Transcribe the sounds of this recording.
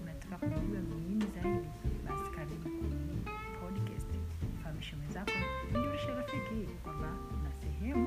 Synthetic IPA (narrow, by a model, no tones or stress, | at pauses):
natḁkakuuamiŋinizaidiɓasi̥kaɾiknii | pʰɔdka̰stfahamiʃɔmɛzakɔiniwaʃaɾafikiiikwambakunasɛhɛmu